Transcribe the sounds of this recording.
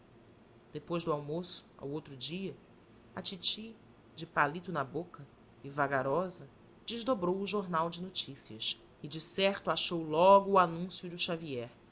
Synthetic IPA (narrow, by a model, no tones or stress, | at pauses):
d̪̥epojzd̪ʊawmosʊ̥a̰wowt̪ɾʊd͡ʒiɐ | ɐt͡ʃit͡ʃi | d͡ʒɪpalit̪ʊnɐbokɐ | ɪvaɡaɾɔzɐ | d͡ʒɪʒd̪obɾowʊʒoɾnawd͡ʒɪnot͡ʃisiɐs | ɪd͡ʒɪsɛɾt̪ʊaʃowlɔɡʊːanũsjʊd̪ʊʃaviɛɾ